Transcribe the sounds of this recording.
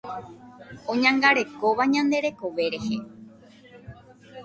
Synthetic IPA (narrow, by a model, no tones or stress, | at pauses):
õ̞ɲãŋɡaɾe̞ko̞ʋaɲãnd̪e̞ɾe̞ko̞ʋe̞ɾe̞he̞